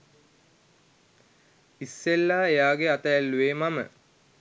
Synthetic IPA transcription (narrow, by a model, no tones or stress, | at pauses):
isːelːaːejaːɡeat̪əælːueːmamə̰